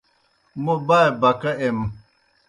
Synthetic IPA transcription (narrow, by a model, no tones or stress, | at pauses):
mobaɛbakaʔɛm